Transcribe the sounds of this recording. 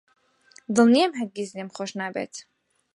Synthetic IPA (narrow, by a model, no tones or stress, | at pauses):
d̪əlˠniɛmɦɛd̪̚ɡʲizlʲɛmχɔʃnabɛ̰t̪ʰ